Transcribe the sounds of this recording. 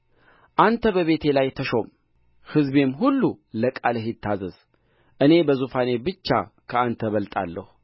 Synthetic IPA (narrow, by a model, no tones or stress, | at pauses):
ʔant̪ʰəbəβe̞t̪ʰe̞lajt̪ʰəʃo̞m | hɨzbe̞mɦulːuləkʼalɨhɪt̪ʰːazəz̥ | ʔɨne̞bəzufane̞bɨt͡ʃːa̰kʰəant̪ʰəβəlt̪ʼa̰lːə̰hu̥